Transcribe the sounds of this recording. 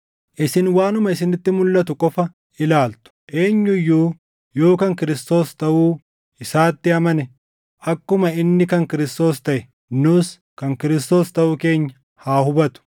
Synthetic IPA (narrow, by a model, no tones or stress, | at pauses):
ʔɪsɪnwaːnʊmɐɪsɪnɪt̪ːɪmʊlːɐt̪ʊkʼɔfɐ | ɪlaːlt̪ʊ̥ʔe̞ːɲːʊjːuː | jo̞ːkɐŋkɪɾɪst̪o̞ːst̪ɐʔuː | ɪsaːt̪ːɪɐmɐnɛ | ʔɐkːʊmɐɪnːɪkɐŋkɪɾɪst̪o̞ːst̪ɐʔɛ | nʊs | kɐŋkɪɾɪst̪o̞ːst̪ɐʔʊke̞ːɲːɐ | haːhʊbɐt̪ʊ̥